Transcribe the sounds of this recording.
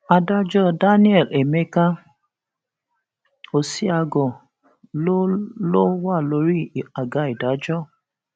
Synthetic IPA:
a˧da˦d͡ʒɔ˦˨da˦ni˦ɛ˦˨le˨me˦ka˦ | o˨si˦a˧ɡɔ˨ | lo˦lo˦wa˦˨lo˧˦ɾi˦˨a˨ɡa˨˦i˨da˨˦d͡ʒɔ˦˨

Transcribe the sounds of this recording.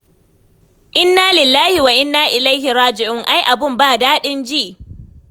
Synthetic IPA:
ʔɪ˦nːaː˦lɪ˨lːaː˦hi˨wa˨ʔɪ˦nːaː˦ʔɪ˨la˦jhɪ˨ɾaː˦d͡ʒɪ˨ʔʊ˦˨ŋʔa˦jʔa˨bɪ˦mbaː˦˨daː˦ɗɪ˦nd͡ʒi˦ʔ

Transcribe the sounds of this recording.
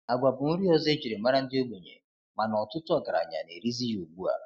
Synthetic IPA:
a˨ɡʷa˨bʊ˨ŋ̩˦ɾi˦ɔ˦ze˦d͡ʒi˨ɾe˨ma˦ɾa˦n̩˦dɪ˦o˦ɡ͡bo˨ɲḛ˨ | ma˨nɔ˨tʊ˦tʊ˦ɔ˨ɡa˨ɾa̰˨ɲa̰˨ne˨ɾi˦zi˦jo˨ɡ͡bu˦a̰˨

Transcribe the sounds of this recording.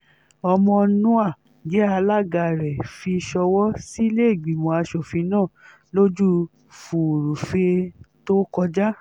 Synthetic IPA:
ɔ˧mɔ̃˧nũ˦a˦˨ | ɡɛ˨˦a˧la˦ɡa˧˨ɾɛ˨fi˧ʃɔ˧wɔ˦si˦le˦i˦˨ɡ͡bi˨mõ˧a˧ʃo˨fi˧nãː˦˨ | lo˦d͡ʒu˦ | fu˨ɾu˨fe˧to˦kɔ˧d͡ʒa˦

